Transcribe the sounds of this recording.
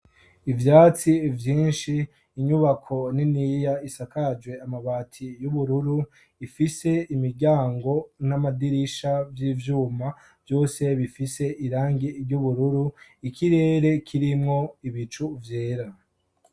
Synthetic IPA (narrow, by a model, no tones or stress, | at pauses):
ivjaːt͡sivjiːnʃiː | ɲuβakʰo̞ninijaisakad͡ʒwe̞amaβaːtʰijuβuɾuɾu | ifise̞imiɾɟaːŋɡo̞namadiɾiʃavjiːvjuːma | vjo̞ːse̞βifise̞ʔiɾaːŋɡiɾɟuβuɾuɾuikiɾe̞ːɾe̞kʰiɾimŋo̞iβit͡ʃuvje̞ːɾa